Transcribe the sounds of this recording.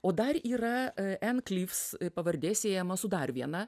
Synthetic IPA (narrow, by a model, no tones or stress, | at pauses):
oːd̪ɐɾiːɾɐɛnklʲifspɐʋɐɾʲd̪ʲeːsʲeːjɛmɐsʊd̪ɑːɾʋʲiɛnɐ